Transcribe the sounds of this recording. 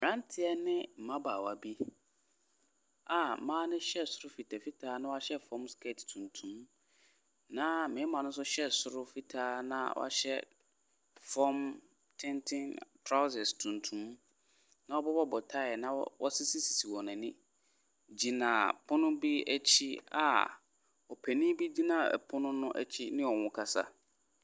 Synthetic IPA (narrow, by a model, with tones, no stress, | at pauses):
m˨ã˦ntʰɪ˨ɛ˦nɪ̃˦m̩˨mã˦baː˨wa˨bi˦ | a˨mãː˦nɪ̃˦ɕɛ˦sʊ˦ɾʊ˦fi˨tʰa˨fi˦tʰaː˨˦nʊ̃˦wɔ˦a˦ɕɛ˦fɔ̃˦mskʰe˦˨ttʰũ˨ntʰũ˦m | nã˦mɪ̃˨˦mã˨nʊ̃˦ns̬ʊ˦ɕɛ˦sʊ˦ɾʊ˦fi˦tʰaː˦nã̰˦wʔɔ̰˦a̰˦ɕɛ̰˦ | fɔ˦m | tʰɪ̃˦ntʰɪ̃˦ntʰɾa˦sɛ˨stʰũ˨ntʰũ˦m | nã˨ɔ˦bɔ˦bɔ˦bɔ˨tʰa˦ɪ˨nã˦wɔ˦sɪ˦si˦si˨si˨wɔ˨nɪ̃˨nɪ̃˦ | d͡ʑi˨nã˨pʰʊ̃˦nʊ̃˦bi˦æ˦t͡ɕʰi˦a̰˨ | ɔ˨pʰæ˨nĩ˦bi˦di˦nã˦˨ɛ̰˨pʰʊ˦nʊ̃˦nʊ̃˦ʔæ̰˦t͡ɕʰi˦nɪ̃˦ɔ˨wʊ̃˦kʰa˦sa̰˦